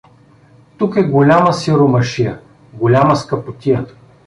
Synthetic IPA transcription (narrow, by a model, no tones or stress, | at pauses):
t̪ukɛɡolʲaməsiɾomɐʃijə | ɡolʲamɐskɐpot̪ʲijə